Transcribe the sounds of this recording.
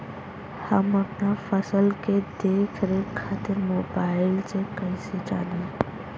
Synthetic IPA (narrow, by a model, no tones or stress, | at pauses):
həmɐpnafəsəlked̪eːkʰɾekʰaːt̪ɪɾmoːbaːɪlsekəɪsed͡ʒa̰ːne